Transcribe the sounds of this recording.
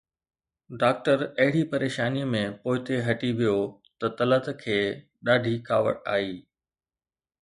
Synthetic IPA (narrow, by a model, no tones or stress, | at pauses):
ɖaːk̚ʈəɾɐɦɪɽipɐɾeːʃaːnimẽpoːɪt̪eɦɐʈiʋijot̪ɐt̪ɐlət̪kʰeː | ɗaːɖʱikʰaːʋə̰ʈa̰ːiː